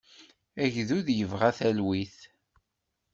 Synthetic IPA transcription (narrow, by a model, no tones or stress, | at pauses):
æʝðuðjəvʁæθælwiθ